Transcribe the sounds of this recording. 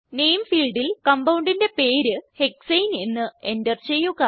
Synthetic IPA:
ne̞jmfiːlɖilkɐmbɐwɳɖinde̞pe̞ːɾɨhe̞ksejne̞nːɨe̞ndɐrt͡ɕe̞jːuɣɐ

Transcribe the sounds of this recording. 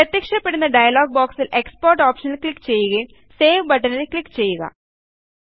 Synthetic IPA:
pɾɐt̪jɐkʂɐpːe̞ɽunːɐɖɐjɐloːɡ̚boːksilʔe̞kspoːrʈoːpʂɐnilklikːt͡ɕe̞jːuɣɐjum | seːʋbɐʈːɐnilklikːt͡ɕe̞jːuɣɐ̰

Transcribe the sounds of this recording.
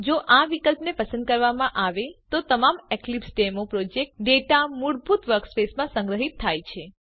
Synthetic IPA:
d͡ʒoʔaʋikəlpnepəsə̃nd̪̚kəɾʋamãʔaʋet̪ot̪əmameklipsʈemopɾod͡ʒek̚ʈɖeʈamuɽbʱut̪ʋəɾkspesmãsə̃ŋɡɾəɦit̪ʰːajt͡ʃʰe

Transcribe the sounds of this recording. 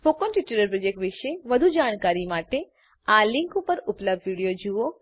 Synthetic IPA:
fokonʈiʈuɾəɾpɾəd͡ʒekʈʋɪʃeʋəd̪ʱud͡ʒaːɽ̃kaɾimaʈe | alɪŋkupəɾʊpləb̚d̪ʱʋiɽijod͡ʒuo

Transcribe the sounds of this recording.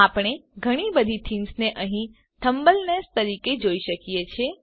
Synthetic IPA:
apɽ̃eɡʱəɽ̃ibəd̪ʱit̪ʰinsneʔəɦĩ | t̪ʰəmbəlnest̪əɾiked͡ʒoiʃəkijet͡ʃʰe

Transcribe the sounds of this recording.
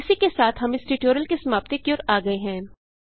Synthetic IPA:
ɪsikesaːt̪ʰɦɐmɪsʈiʈoːɾjəlkesɐmaːʋt̪ekioːɾaːɡɐeɦɛ̃ː

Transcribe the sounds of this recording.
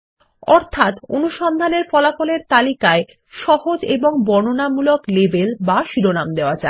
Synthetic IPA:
ɔɾt̪ʰat̪o̰nuʃɔnd̪ʱaneɾfɔlakoleɾt̪alikae | ʃɔhod͡ʑeboŋbɔnonamuloklebelbaʃiɾonamd̪eoad͡ʑa̰e

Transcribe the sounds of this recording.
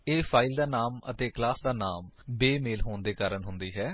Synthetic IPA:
eːpʰaːild̪aːnaːmə̰t̪eːklaːsd̪aːnaːmbeːmeːlɦoːnd̪eːkaːɾəɳɦʊnd̪iːɦɛː

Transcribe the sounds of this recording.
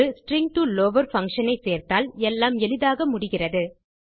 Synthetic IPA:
ɯsʈɾɪŋ̚ʈuːloːʋɐɾfɐŋkʂɐnɐɪseːɾt̪aːlɛlːaːmɛlɪðaːɣɐmʊɽɪɣɪrɐðɯ

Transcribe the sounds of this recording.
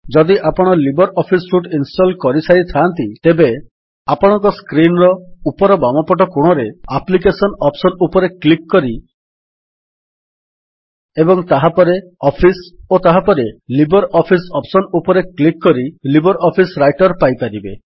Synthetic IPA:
d͡ʒɔd̪iʔapɔɽ̃ɔlibɔɾʔɔpʰisɾuʈinsʈɔlkɔɾisaɾit̪ʰant̪it̪ebe | apɔɽ̃ɔ̃ŋkɔskɾinɾɔupɔɾɔbamɔpɔʈ̬ɔkuɽ̃ɔɾeaplik̬esɔnɔpsɔnupɔɾeklikːɔɾi | ebɔŋt̪aɦapɔɾeɔpʰisot̪aɦapɔɾelibɔɾɔpʰisɔpsɔnupɔɾeklikːɔɾilibɔɾɔpʰisɾajʈɔɾpajpaɾibe

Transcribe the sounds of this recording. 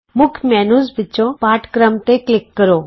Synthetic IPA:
mʊkʰmɛːnuːzbɪt͡ʃːõpaːʈkɾəmt̪eklɪkːəɾo

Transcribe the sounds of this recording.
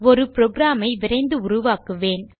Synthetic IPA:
ɔɾɯpɾoɡɾaːmɐɪʋɪɾɐɪnd̪ɯʊrʊʋaːkɯʋeːn

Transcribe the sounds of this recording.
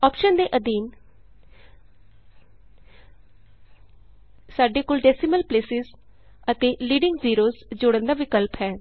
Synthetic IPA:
ɔːpʃənd̪eːʔəd̪iːn | saːɖeːkoːlɖɛːsɪməlpleːsɪz | ət̪eːliːɖɪŋɡziːɾoːzd͡ʒʊɽənd̪aːʋɪkəlpɦɛː

